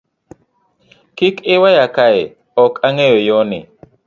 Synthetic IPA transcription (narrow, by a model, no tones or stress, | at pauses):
kikɪwajakaɛ | ɔkʰaŋɛjɔjɔnɪ̰